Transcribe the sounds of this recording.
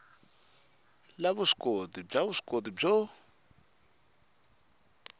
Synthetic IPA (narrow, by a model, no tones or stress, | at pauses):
laβuʂi̥kʼodib͡ʐaβuʂkʼodib͡ʐɔ